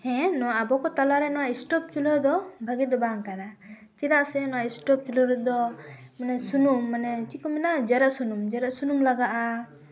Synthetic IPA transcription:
hɛ̃nɔwaʔabɔkɔt̪alaɾɛnɔwaʔisʈɔp̚t͡ʃulɔd̪ɔbʱaɡid̪ɔbaŋkaɾa | t͡ʃiɾaʔsɛnɔwaʔisʈɔp̚t͡ʃulɔɾɛd̪ɔmanɛsunumːanɛt͡ʃikɔmɛnad͡ʒɛɾəʔsunumd͡ʒɛɾəsunumlaɡaʔa

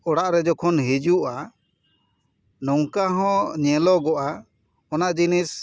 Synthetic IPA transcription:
ɔɽaʔɾɛd͡ʒɔkʰɔnɦid͡ʒuʔa | nɔŋkaɦɔ̃ɲɛlɔɡɔʔa | ɔnaʔd͡ʒinis

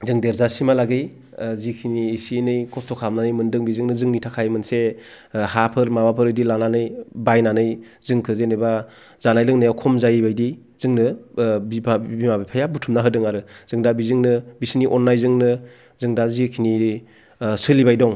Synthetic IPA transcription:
zɯŋdeɾzasimalaɡɯj | zikʰiniesienɯjkʰɔstʰɔkʰamnanɯjmɯndɯŋbizɯŋnɯzɯŋnitʰakʰajmɯnse | hapʰɯɾmabapʰɯɾɯdilananɯjbajnanɯj | zɯŋkʰɯzenɯjba | zanajlɯŋnajakʰɔmzajbajdi | zɯŋnɯbipʰbimabipʰajabutʰumnaɦɯdɯŋaɾɯz̥ɯŋdabizɯŋnɯbisniʔɔnːajzɯŋnɯ | zɯŋdazikʰini | sɯlibajdɔŋ

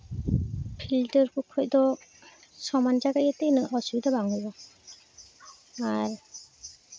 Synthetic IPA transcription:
pʰildɔɾkʰukʰɔjd̪ɔ | sɔmand͡ʒaɡajɛt̪enɯʔɔsujd̪ɔbaŋhujbɔ | aɾ

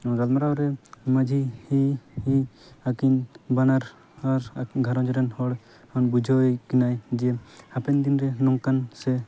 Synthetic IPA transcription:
ɡalmaɾaɔɾɛmad͡ʒʱihihiakinbanaɾ | aɾɡʱaɾɔ̃d͡ʒɔɾɛnhɔɽ | ɔnbud͡ʒʱɔjkinajd͡ʒɛhapɛnd̪inɾɛnɔŋkansɛ

